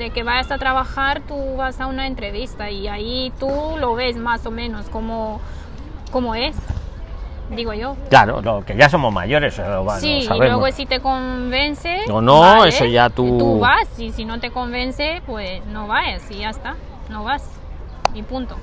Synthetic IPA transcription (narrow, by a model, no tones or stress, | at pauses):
d̪e̞ke̞βaʝasat̪ɾaβaxaɾt̪uβasaunaent̪ɾe̞βist̪aiait̪ulo̞βe̞smaso̞mẽ̞no̞sko̞mo̞ | komo̞es | d̪iɣoʝo̞kla̰ɾo̰lokeʝas̬o̞mozma̰ʝo̞ɾeseoβasialβeweesit̪e̞ko̞mbe̞nseonoesoʝat̪uuβasisino̞t̪e̞ko̞mbe̞nsepwesno̞βaʝasiʝaest̪a | no̞βas | mipunt̪o̞